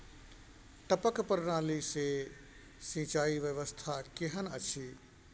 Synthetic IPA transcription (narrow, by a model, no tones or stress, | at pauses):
ʈ̪əpəkpəɾnaːlise | sĩt͡ʃaːiʋjəʋəst̪ʰakeɦənət͡ʃʰi